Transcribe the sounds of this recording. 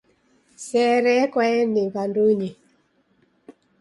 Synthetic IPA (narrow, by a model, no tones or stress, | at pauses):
sɛɾɛkwaɛnɪkanduɲi